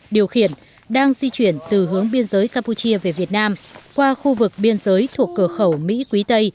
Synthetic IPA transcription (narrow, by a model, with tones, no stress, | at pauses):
ɗi˨˩əwxi˧˩ən | ɗaː˧ŋzi˧t͡ɕwi˧˩ənt̪ɨ˨˩ɦɨ˨˦əŋɓi˧ənzəː˨˦jkaː˧mpu˧t͡ɕi˧əve˨˩vi˨˩ət̚naː˧mkwaː˧xu˧vɨ˨˩k̚ɓi˧ənzəː˨˦jt̪ʰu˨˩əkːɨ˧˩xə˧˩wmḭ˧˥kwi˨˦t̪ə˧j